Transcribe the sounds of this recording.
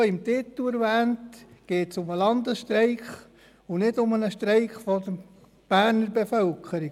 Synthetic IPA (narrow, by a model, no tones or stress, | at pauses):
ɪmtɪt̪læɾvæːntɡ̥eːtsʊməlɑnd̪əsʃtɾɛɪχ | ʊnɪdʊmənəʃt̪ɾeɪχfɔd̪ə | b̥æːɾnəɾbefœlkʰəɾi